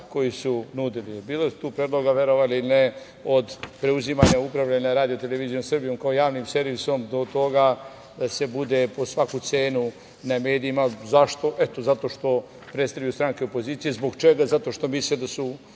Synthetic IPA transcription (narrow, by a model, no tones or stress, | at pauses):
ko̞jisunud̪ilibiːlasu̥t̪uːpɾeːd̪lˠoɡaʋeɾoʋaliilne | od̪pɾeuzimaɲaupɾaʋʎaɲaɾaːd̪iot̪eleʋizijomsr̩bijo̞mkaojaːʋnimse̞ɾʋiso̞md̪o̞t̪o̞ɡa | d̪ase̞bud̪epo̞sʋakut̪se̞ːnu | name̞ːd̪iimazaʃt̪o̞ʔet̪ozat̪o̞ʃt̪o̞ | pɾet̪st̪avjajust̪ɾaŋkeopo̞ziːt̪sijezboɡt͡ʃeɡazat̪o̞ʃt̪o̞mislid̪asu